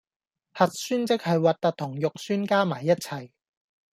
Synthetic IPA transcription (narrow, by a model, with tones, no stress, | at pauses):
hɐ˨t̚syː˥nt͡sɪ˥k̚hɐ˨jwaː˨t̚t̪ɐ˨˥t̚t̪ʰʊ˨˩ŋjʊ˨k̚syː˥nkaː˥maː˨˩jːɐ˥t̚t͡sʰɐ˨˩j